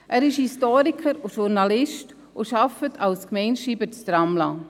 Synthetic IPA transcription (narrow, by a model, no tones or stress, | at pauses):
ʔæːɾɪʃhistɔːɾikʰəɾʊʃuɾnɑlɪʃt | ʔʊʃɑfətʰɑlskmɛɪnʃiːbət͡stɾɑmlɑː